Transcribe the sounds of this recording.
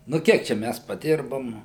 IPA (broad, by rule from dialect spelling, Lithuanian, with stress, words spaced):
nʊ ˈkʲiɛk ˈt͡ʃʲɛ ˈmʲæs pɐdʲɪrboːm